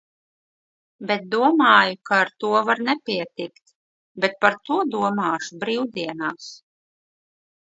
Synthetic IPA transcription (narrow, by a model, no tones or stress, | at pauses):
bɛt̪̚d̪uɔmaːjukaːɾt̪uɔvaɾnɛpʲiɛt̪ikt̪ | bɛt̪̚paɾt̪uɔd̪uɔmaːʃubɾiːwd̪iɛnaːs